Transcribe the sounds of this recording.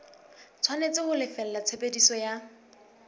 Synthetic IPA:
t͡sʰwanet͡sɪhʊlɪfɛl̩lat͡sʰepʼedisɔja

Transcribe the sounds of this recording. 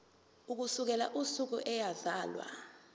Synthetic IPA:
uk̬usuk̬ɛlaʔusuk̬uʔɛjazaːlwa̰

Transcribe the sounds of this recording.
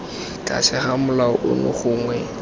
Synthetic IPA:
kʼa̰sɪχamʊlaʊʔʊnʊ̰χʊːŋwɛ

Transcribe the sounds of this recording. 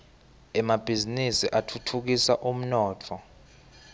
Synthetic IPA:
ɛmab̥ʱizinisiʔatʰutʰuk̬isa̰ʔum̩nɔːtʰɔ

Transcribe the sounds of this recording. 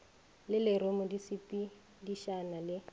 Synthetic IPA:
lɪlɪɾomʊdisipʼi | diʃanalɪ

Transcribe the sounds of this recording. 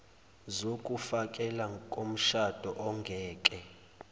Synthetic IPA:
zokʼufakʼɛlakʼom̩ʃad̥ʱɔʔɔŋɡʱɛːkʼɛ

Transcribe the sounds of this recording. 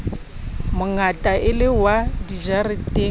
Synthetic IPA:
mʊŋatʼaʔɪlɪwadid͡ʒarɪtʼe

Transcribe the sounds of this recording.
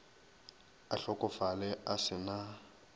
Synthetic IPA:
aɬɔkʼɔfalɛasɪna

